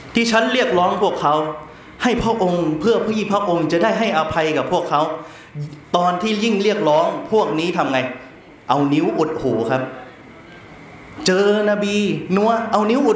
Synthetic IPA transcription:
t̪ʰiː˥˩t͡ɕʰa˦˥nɾi˥˩ək̚lɔː˦˥ŋpʰu˥˩əkʰːa˦˥w | ha˥˩jpʰɾa˦˥˩ʔo˧ŋpʰɯ˥˩ɐpʰiː˦˧˩pʰɾa˦˥ʔo˧ŋt͡ɕa˨˩ʔdaː˥˩jɦa˥˩jʔa˧pʰa˧jka˨˩pʰu˥˩əkʰːa˦˥w | t̪ɔː˧nt̪ʰiː˥˩ji˥˩ŋli˥˩ək̚lɔː˦˥ŋpʰu˥˩ək̚niː˦˥˩t̪ʰa˧mŋa˧j | ʔa˧wni˦˥wʔu˨˩t̪̚huː˨˩˦kʰa˦˥p̚ | t͡ɕɤː˧na˧biː˧nu˧˥ɐʔa˧wni˦˥wʔu˨˩

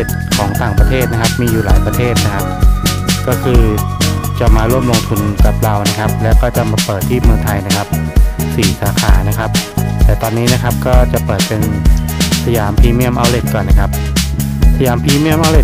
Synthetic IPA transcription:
e˨˩t̪̚kʰɔː˩˦ŋt̪aː˨˩ŋpɾa˧t̪ʰeː˥˩t̪̚na˦˥kʰa˦˥p̚miː˧juː˨˩laː˩˦jpɾa˧t̪ʰeː˥˩t̪̚na˦˥kʰa˦˥p̚kɔː˥˩kʰɯː˧ | t͡ɕa˨˩maː˧ɾu˥˩əmlo˧ŋt̪ʰu˧nka˨˩p̚ɾa˧wna˦˥kʰa˦˥p̚lɛː˦˥wkɔː˥˩t͡ɕa˨˩maː˧pɤː˨˩t̪ʰːiː˥˩mɯ˧t̪ʰa˧jna˦˥kʰa˦˥p̚siː˨˩˦saː˩˦kʰaː˩˦na˦˥kʰa˦˥p̚t̪ɛː˨˩t̪ɔː˧nːiː˦˥na˦˥kʰa˦˥p̚kɔː˥˩t͡ɕa˨˩ʔpɤː˨˩t̪̚pe˧n | sʰa˧jaː˩˦mpʰiː˧mi˥˩əmʔa˧wle˨˩t̪̚kɔː˨˩nːa˦˥kʰa˦˥p̚ | pʰa˧jaː˩˦mpʰiː˧mi˥˩əmʔa˧wle˨˩t̪

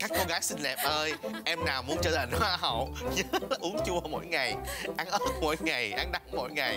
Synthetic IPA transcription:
kaː˦˥kːo˧ɣaː˨˦jsï˧nlɛ˨˩p̚ʔəː˧jʔɛ˧mnaː˨˩wmu˨˦ənt͡ɕəː˧˩t̪ʰa˨˩ŋ̟hwaː˧ɦə̰˧˨wɲə˨˦˥a˨˩ʔu˨˦ənt͡ɕu˧ə˧mo̰˧˥˨jŋa˨˩jʔa˧˦nʔəː˦˥t̚mo̰˧˥jŋa˨˩jʔa˨˦nɗa˨˦ŋmo̰˧˥˨jŋa˨˩j

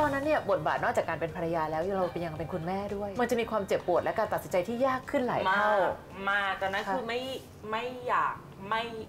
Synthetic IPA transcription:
t̪ɔː˧nːa˦˥nːi˥˩bo˨˩t̪̚baː˨˩nɔ˥˩t͡ɕaː˨˩kːaː˧npe˧npʰa˧ɾa˧jaː˧lɛː˦˥wɾa˧wpe˧nja˧ŋpe˧nkʰu˧nmɛː˥˩du˥˩əjma˧nt͡ɕa˨˩ʔmiː˧kʰwaː˧mt͡ɕe˨˩pːu˨˩ət̪̚lɛ˦˥kaː˧nt̪a˨˩si˩˦nt͡ɕa˧jt̪ʰiː˥˩jaː˥˩kʰːɯ˥˩nla̰˨˦a˥˧˥w | maː˧˩t̪ɛː˨˩na˦˥nkʰɯː˧ma˥˩j | ma˥˩jːaː˨˩k̚ma˥˩j

